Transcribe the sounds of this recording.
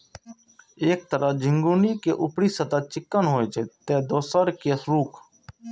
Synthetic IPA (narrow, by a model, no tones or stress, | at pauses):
eːk̚t̪əɾəd͡ʒʱɪŋɡuːniːkeːʔʊpɽiːsət̪aːt͡ʃɪkːənɦoːeːt͡ʃʰeːt̪ẽːd̪oːsəɾkesɾuːkʰ